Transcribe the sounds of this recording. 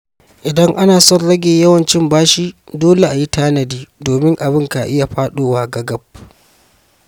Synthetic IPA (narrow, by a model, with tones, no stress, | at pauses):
ʔɪ˨dɐ˦ŋʔa˦naː˨sɔ˦nɽɐ˦ɡʲeː˨jɐ˦wɐ˨nt͡ʃɪ˦mbaː˦ʃiː˦doː˦le˨ʔa˨ji˦taː˦nɐ˨diː˦doː˨mɪ˦ŋʔa˨bɪ˦ŋka˨ʔɪ˦ja˨ɸaː˦ɗoː˦˨waː˦ɡɐ˦ɡɐ˦b̚